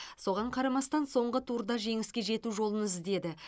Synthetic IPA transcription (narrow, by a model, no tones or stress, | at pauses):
so̞ʁɑɴqʰɑɾɑmɑst̪ɑnso̞ɴʁət̪ʰuɾd̪ɑʒe̞ŋɪskʲe̞ʒe̞t̪uʒo̞lˠənɪzd̪e̞d̪ɪ